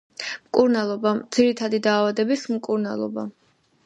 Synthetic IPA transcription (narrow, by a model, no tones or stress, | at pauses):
mkʼuɾnalˠɔbad̪z̥iɾit̪ʰad̪id̪aːvad̪ɛbismkʼuɾna̰lˠɔ̰ba